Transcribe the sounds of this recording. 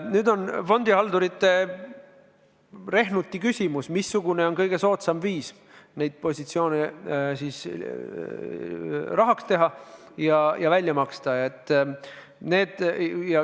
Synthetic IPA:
nyːd̪o̞nfo̞nd̪iɑld̪uɾit̪ːˑe̞ | re̞ɦnut̪ːˑikysʲimusmisːuɡ̥une̞o̞nkɤjɡ̥e̞so̞ːt̪sɑmviːs | ne̞jd̪̥̚po̞sʲit̪sio̞ːnesiːs | rɑɦɑkst̪e̞ɦɑ | jɑjɑvælʲjɑmɑkst̪ɑɑet̪ːˑ | ne̞ːd̪̥jɑ

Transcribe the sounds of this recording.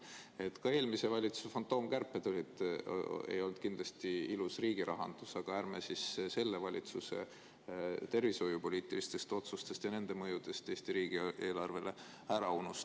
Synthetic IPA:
e̞t̪ːkɑe̞ːlmise̞vɑlʲit̪su̥sfont̪ˑo̞ːmkærpːˑed̪o̞lʲid̪ | e̞̰jo̞ld̪̥̚kind̪lɑst̪iilusriːɡ̥iɾɑɦɑ̰nd̪̥usɑɡ̥ɑæːɾmesisse̞lːe̞vɑlʲit̪suse̞̰ | t̪e̞rviso̞jupo̞lʲiːt̪ˑilist̪e̞st̪o̞t̪sust̪e̞st̪jɑne̞nd̪e̞mɤjud̪̥e̞st̪e̞ːst̪iɾiːɡ̥iʔe̞ːlɑrve̞le | æɾɑunus

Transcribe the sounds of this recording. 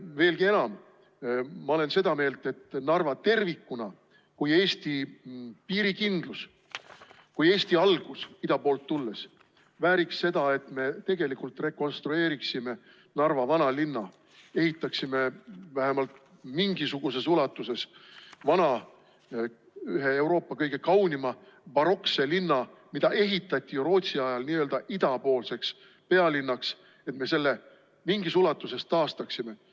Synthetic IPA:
ve̞ːlɡie̞nɑmː | ɑo̞le̞nse̞d̪̥ɑme̞ːlt̪e̞t̪ːnɑrvɑt̪e̞rvikːˑunɑ | kuje̞ːst̪ipiːɾikind̪̥lus | kuje̞ːsʲt̪iɑlɡ̥usid̪ɑpoːlt̪ːulːe̞s | væːɾikse̞d̪̥ɑe̞t̪ˑme̞t̪e̞ɡ̥e̞likult̪re̞ko̞nst̪ɾue̞ːɾiksime̞ | nɑrvɑvɑnɑlinːɑ | e̞hit̪ːˑɑksime̞væɦemɑlt̪ | miŋɡisuɡ̥use̞sulɑt̪ːˑuse̞svɑnɑ | yɦe̞e̞wɾo̞ːpːɑkɤjɡ̥e̞kɑwnimɑ | vɑɾo̞kse̞linːɑ | mid̪ɑʔe̞ɦit̪ːˑɑt̪ʲːˑijuɾo̞ːt̪ʲsiɑjɑlniːøːld̪ɑʔid̪̥ɑpo̞ːlse̞ks | pe̞ɑlinːɑks | e̞t̪me̞se̞lːe | miŋɡ̥isulɑt̪ːˑuse̞st̪ːɑːst̪ɑksime̞

